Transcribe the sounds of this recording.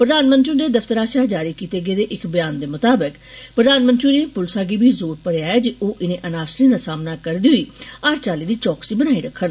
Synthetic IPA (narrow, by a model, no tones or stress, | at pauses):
pɾəd̪aːnmə̃nt̪ɾĩːd̪eːd̪əfʰt̪əɾaːsaːd͡ʒaːɾiːkiːt̪eːɡəeːd̪eːʔɪkbəjaːnd̪eːmʊt̪aːbək | pɾəd̪aːnmə̃nt̪ɾiːneːpʊlsaːɡiːbʱiːzoːɾpəɽejaːeːd͡ʒeʔoːʔɪnẽːʔənaːsɾẽːd̪aːsaːmnaːkəɾd̪iːɦʊiːaːɾt͡ʃaːliːd̪iːt͡ʃɔːksiːbənaːiːɾəkʰːən